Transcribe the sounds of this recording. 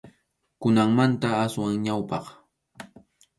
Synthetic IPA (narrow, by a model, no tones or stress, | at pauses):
kʊnaŋmant̪aaswaŋɲawpɑχ